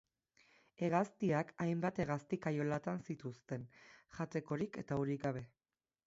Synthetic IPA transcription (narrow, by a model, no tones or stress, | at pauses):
e̞ɣast̪iakajmbat̪e̞ɣ̞ast̪ikajo̞lat̪ansit̪ust̪e̞nʝat̪e̞ko̞ɾike̞t̪auɾikɡaβ̞e̞